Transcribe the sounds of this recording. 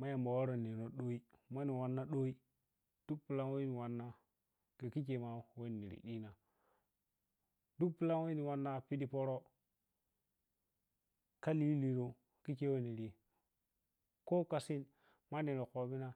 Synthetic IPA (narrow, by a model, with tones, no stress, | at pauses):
ma˦ja˨mba˨wa˦ɾo˨ni˨ɾo˨ɗo˦i˦ma˦ni˨wa˨nːa˦ɗo˦i˦ | d̥u˦k̚pi˨la˦ŋ˦wo˦ni˨wa˨nːa˦ | ke˨ki˦ke˨ma˨we˦˨nḭ˨ɾḭ˨ɗi˦na˨ | du˦k̚pi˦la˦ŋwo˦ni˨wa˦nːa˦pi˦di˨po˦ɾo˦ | ka˦li˦li˨ɾo˨ | ki˦ke˦we˦ni˨ɾi˨ | ko˦ka˨si˦n | ma˦ni˨ɾo˨ko˨bi˦na˦